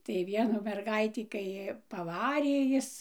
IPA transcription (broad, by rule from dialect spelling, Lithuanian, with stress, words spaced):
tɐɪ ˈʋʲiɛnuː mʲɛrˈɡɐɪtʲiː kɐɪ pɐˈʋɑːrʲeː ˈjɪs